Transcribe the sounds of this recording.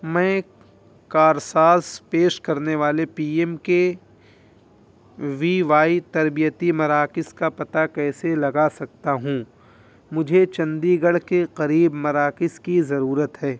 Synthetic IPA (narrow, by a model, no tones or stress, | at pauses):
mɛ̃ː | kaːɾsaːspeːʃkɐɾneʋaːlepiːɛmke | ʋiːʋaːit̪ɐɾbijət̪imɐɾaːkɪskapɐt̪akɛːselɐɡasɐk̚t̪aɦũ | mʊd͡ʒʱet͡ʃɐ̃nd̪iɡɐɽkeqɐɾiːbmɐɾaːkɪskizɐɾuːɾət̪ɦɛː